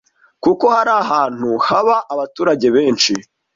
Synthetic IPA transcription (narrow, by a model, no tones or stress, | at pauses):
kuko̞haɾaːɦaːn̥huhaβaʔːβatuːɾaɟe̞βe̞ːnʃi